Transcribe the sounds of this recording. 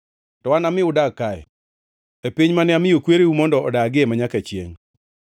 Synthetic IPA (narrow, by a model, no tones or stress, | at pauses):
tɔwanamɪʊdakːaɛ̰ | epiɲmanɛamɪjokweɾeumɔndɔɔdaɡemaɲakat͡ʃjḛŋ